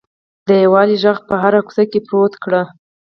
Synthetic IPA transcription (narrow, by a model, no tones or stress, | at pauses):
d̪əjawɑliʒax̚pəɦaɾaku̥sakepɾot̪kɽa